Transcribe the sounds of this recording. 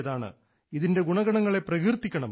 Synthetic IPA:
ɐðaːɳɨ̰ | iðinde̞ɡuɳɐɡɐɳɐŋːɐɭe̞pːrɐkirt̪ːikʲːɐɳɐm

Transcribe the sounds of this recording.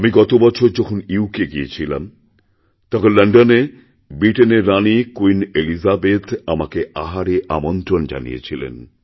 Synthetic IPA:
amiɡɔt̪obɔt͡ɕʰoɾd͡ʑɔkʰoniukeɡiet͡ɕʰila̰m | t̪akelaɳɖone | bɾiʈeneɾːanikwinelizabet̪amakeaɦaɾeʔa̰mont̪ɾond͡ʑa̰nḭjḛt͡ɕʰilḛn

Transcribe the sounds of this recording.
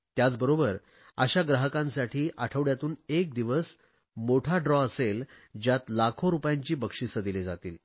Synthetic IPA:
t̪jat͡sbəɾobəɾ | əɕaɡɾaɦəkãnsaʈʰiːʔaʈʰəʋɽjat̪uːnek̚d̪iʋəs | moʈʰaɖɾɔəsel | d͡ʑjat̪lakʰoɾupjãɲt͡ɕiːbəkʂisəd̪iled͡zat̪ḭːl

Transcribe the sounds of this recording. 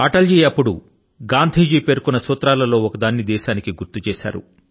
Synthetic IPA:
ɐʈɐld͡ʒiːɐpːuɽṵ | ɡaːnd̪ʱiːd͡ʒiːpe̞ːɾkunːɐsuːt̪ɾaːlɐlo̞ːɔkɐd̪aːnːid̪ɛːʃaːnikiɡuɾt̪ut͡ʃɛːʃa̰ːɾṵ

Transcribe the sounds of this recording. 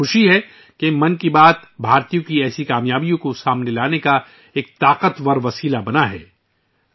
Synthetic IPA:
ʊʃiɦɛ | kemɐ̃nkibaːt̪bʱaːɾt̪ijõkiɛːsikaːmjaːbijõkosaːmnelaːneka | eːk̚t̪aːqət̪ʋɐɾʋɐsiːlabɐnaɦɛː

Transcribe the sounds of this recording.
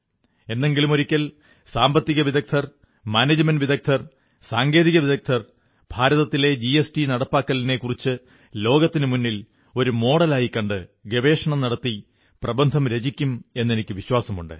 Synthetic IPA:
e̞nːe̞ŋɡilumo̞ɾikʲːɐl | saːmbɐt̪ːiɣɐʋid̪ɐk̚t̪ʰɐr | maːneːd͡ʑɐmɐnɖʋid̪ɐk̚t̪ʰɐr | saːŋɡe̞ːðiɣɐʋiðɐk̚t̪ʰɐr | b̥ʱaːɾɐðɐt̪ːile̞d͡ʑiesʈinɐɽɐpːaːkːɐline̞kːurit͡ɕːɨ | lo̞ːɡɐt̪ːinɨmunːil | o̞ɾumo̞ːɽɐlaːjikːɐɳɖɨɡeʋe̞ːʂɐɳɐmnɐɽɐt̪ːi | prɐbɐnd̪ʱɐmɾe̞d͡ʑikʲːume̞nːe̞nikʲːɨʋiɕwaːsɐmuɳɖɨ̰

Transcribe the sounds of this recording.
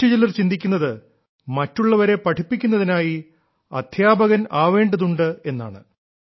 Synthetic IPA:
ud͡ʑilɐrt͡ɕind̪ikʲːunːɐðɨ | mɐtːuɭːɐʋɐɾe̞pɐʈʰipːikʲːunːɐðinaːji | ɐ̰d̪̥ʱjaːbɐɣɐnaːʋe̞ːɳɖɐðuɳɖɨe̞nːa̰ːɳɨ̰

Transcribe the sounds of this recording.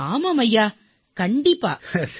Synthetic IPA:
aːmaːmɐjːaː | kɐɳɖɪpːa̰ːs

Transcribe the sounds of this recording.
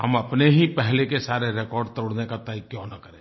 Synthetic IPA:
ɦɐmɐpneɦipɛɦlekesaːɾeɾekɔːɾɖ̚t̪əɾoɽnekat̪aːikjɔ̃ːnɐkəɾẽː

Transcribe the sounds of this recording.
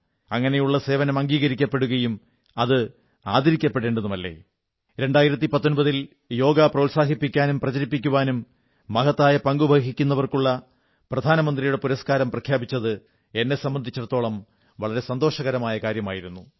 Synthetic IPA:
ɐŋːɐne̞juɭːɐse̞ːʋɐnɐmɐŋɡiːɣɐɾikʲːɐpːe̞ɽuɣɐjum | ɐðɨ | aːd̪ʱɐɾikʲːɐpːe̞ɽeːɳɖɐðumɐlːe̞̰ː | ɾe̞ɳɖaːjiɾɐt̪̬ːipɐt̪ːo̞nbɐðil | jo̞ːɡɐprɐulsaːɦipːikʲːaːnumprɐt͡ɕɐɾipːikʲːuʋaːnumː | ɐɡɐt̪ːaːjɐpɐŋɡubʱɐɦikʲːunːɐʋɐrkuɭːɐ | prɐd̪ʱaːnɐmɐnd̪rijuɽe̞puɾɐskaːɾɐmprɐkʰjaːbit͡ɕːɐðɨ | e̞nːe̞sɐmbɐnd̪ʱit͡ɕːuɽɐt̪ːoːɭɐm | ʋɐɭɐɾe̞sɐnd̪o̞ːʂɐɣɐɾɐmaːjɐkaːɾjɐmaːjiɾunːu

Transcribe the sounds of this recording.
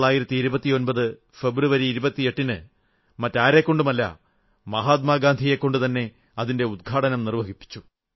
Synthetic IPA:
ɭaːjiɾɐt̪ːiːɾubɐt̪ːio̞nbɐðɨ | fe̞bruʋɐɾiːɾubɐt̪ːie̞ʈːinɨ | mɐtːaːɾekːo̞ɳɖumɐlːɐ̰ | mɐɦaːt̪̬̚maːɡaːnd̪ʱije̞kːo̞ɳɖɨt̪ɐnːe̞ | ɐðinde̞ud̪̚ɡʱaːʈɐnɐmnirʋɐɦipːi̥t͡ɕːu

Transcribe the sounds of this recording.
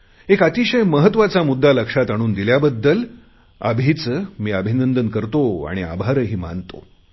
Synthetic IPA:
ekat̪iɕəjməɦət̪ːʋat͡samud̪ːaləkʂat̪aɽ̃uːnd̪iljabəd̪ːəl | ə̰bʱiːt͡smiːəbʱinənd̪ənkəɾt̪oa̰ɽ̃ia̰bʱaɾəɦiːma̰nt̪o̰

